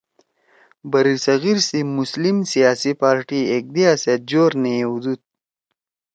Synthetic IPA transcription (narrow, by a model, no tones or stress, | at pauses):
bɐɾisɐɣiɾsimuslimsijaːsipaːɾʈiek̚d̪iaset̪̚d͡ʑoːɾnejeud̪ut̪̚